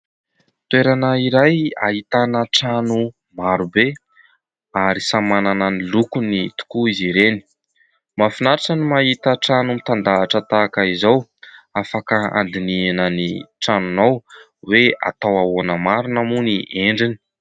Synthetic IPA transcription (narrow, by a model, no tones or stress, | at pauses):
t̪weɾanəiɾaja̰ɦit̪anəʈ͡ʂanu | maɾube | aɾisamanananilukunit̪u̥kuiziɾeni̥ | mafinaɾaʈ͡ʂənimaɦit̪əʈ͡ʂanumit̪and̪aːʈ͡ʂət̪aːkaizawafakəa̰nd̪inianəniʈ͡ʂanunaw | wea̰t̪awawonəmaɾunamuniʔeɳɖ͡ʐini̥